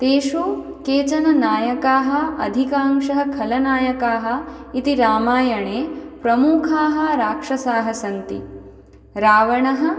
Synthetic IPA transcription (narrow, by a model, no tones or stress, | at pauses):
t̪eːʂuː | keːt͡ʃɐnɐnaːjɐkaːɦɐ̆ɐd̪ʱikaːŋʂɐɦɐkʰɐlɐnaːjɐkaːɦɐ̆it̪iɾaːmaːjɐɳeːpɾɐmuːkʰaːɦɐ̆ɾaːkʂɐsaːɦɐsɐnt̪ḭ | ɾaːʋɐɳɐɦɐ̆